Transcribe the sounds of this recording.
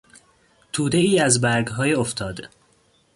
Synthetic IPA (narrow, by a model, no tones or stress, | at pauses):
t̪ʰuːd̪eiːæzbæɾɡɦɒːjeoft̪ʰɒːd̪